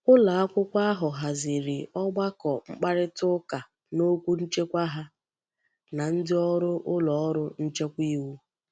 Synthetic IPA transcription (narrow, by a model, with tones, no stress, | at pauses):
ʊ˦la˨a˦kʷʊ˦kʷa˦a˦ɦʊ˨ɦa˨zɪ˨ɾɪ˨ɔ˦ɡ͡ba˦kɔ˨ŋ͡m̩˦k͡pa˦ɾɪ˦tʊ˦ka˨ | no˦kʷu˦n̩˦t͡ʃe˦kʷa˦ɦa˦ | na˨n̩˦dɪ˦ɔ˦ɾʊ˦ʔʊ˦lɔ˨ɔ˦ɾʊ˦n̩˦t͡ʃe˦kʷi˦wu˦